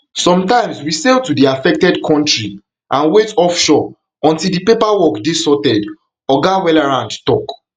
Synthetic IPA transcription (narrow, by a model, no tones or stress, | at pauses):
sɔ̃mtãɪ̃mswisɛltudiafɛk̚tɛdkʰɔ̃ntɹi | ʔãnwetɔfʃɔ | ɔ̃ntilˠdipepawɔkdesɔtɛd | ɔɡawɛlaɹãndtɔk